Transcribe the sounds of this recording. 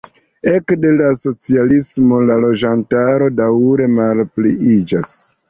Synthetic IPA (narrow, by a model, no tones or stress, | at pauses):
e̞kde̞laso̞t͡sialismo̞lalo̞d͡ʒantaɾo̞dawɾe̞malpliid͡ʒas